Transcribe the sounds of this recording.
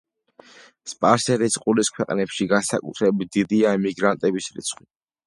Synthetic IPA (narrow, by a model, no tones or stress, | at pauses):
spʼaɾsɛɾisqʼuliskʰwɛqʼnɛpʃiɡansa̰kʼṵt̪ʰɾɛbit̪̚d̪̥id̪iaɛmiɡɾant̪ʼɛbisɾḭt̪sʰχʼwi